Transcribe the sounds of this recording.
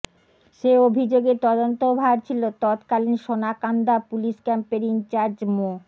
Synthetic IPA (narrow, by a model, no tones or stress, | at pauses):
ʃeobʱid͡ʑoɡet̪ɔd̪ont̪obʱaɾt͡ɕʰilot̪ɔt̪kalinʃonakand̪apuliʃkɛmpeɾint͡ɕaɾd͡ʑmo